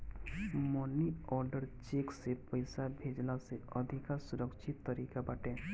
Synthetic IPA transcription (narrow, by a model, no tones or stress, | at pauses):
mɔniɔɾɖəɾt͡ʃeksepəjsabʱed͡ʒlaseɔd̪ʱikasuɾəkʃit̪ːɔɾiːkabaʈẽ